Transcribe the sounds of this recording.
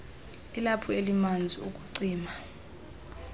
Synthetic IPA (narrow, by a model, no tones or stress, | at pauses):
ilapʰɔelimand͡zʱiuk̬ʼuǀiːma